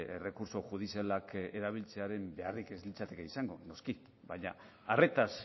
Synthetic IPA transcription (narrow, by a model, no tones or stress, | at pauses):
ḛre̞kuɾso̞ʝuð̞isialakeɾaβ̞ilt͡se̞aɾe̞mbe̞arike̞zlit͡sat̪e̞keisaŋɡo̞̰no̞ski | βajɲa | are̞t̪as